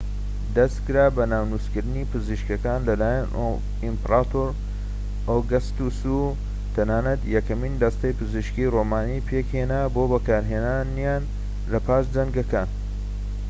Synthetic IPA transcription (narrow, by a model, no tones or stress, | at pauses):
d̪ɐst̪kɨɾaːbɐnaːwnuskɨɾd̪ɨniːpɨziʃkɐkaːnlɐlaːjan | impɾat̪oɾ | oɡɐst̪usu | t̪ʰɐnaːnɐt̪jɛkɐmind̪ɐst̪ɐjpɨziʃkiromaːnipʰeːkhe̞naːbo̞ːbɐkaːɾɦeːnaːnjan | lɐpʰaːʃd͡zɐŋɡɐkaːn